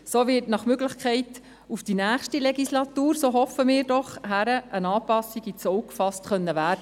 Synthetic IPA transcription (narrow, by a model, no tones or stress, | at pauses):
soːʋɪtnɑχmøɡləχkʰɛɪt | ufd̥inæːχʃtilɛɡislɑtuːɾsoːɦɔfəmɪːɾdɔχhæɾəʔənɑːpɑsiɡit͡sɔwkfɑstχœnːəʋæːɾdə